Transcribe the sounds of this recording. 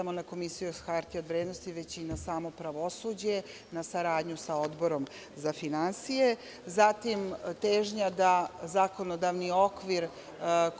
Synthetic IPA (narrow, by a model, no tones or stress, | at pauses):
amonako̞misijuxaɾt̪iod̪ʋɾed̪no̞st̪iʋe̞t͡ɕinasaːmo̞pɾaʋo̞sud͡ʑe̞ | nasaɾaːd̪ɲusao̞d̪bo̞ɾo̞m | zafinansije̞ | zat̪imt̪eːʒɲad̪azako̞nod̪aʋnio̞kʋiɾ